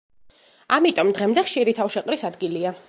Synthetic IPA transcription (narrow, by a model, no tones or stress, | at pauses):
amit̪ʼɔmd̪ʁɛmd̪ɛχʃiɾit̪ʰafʃɛqʼɾisad̪ɡilia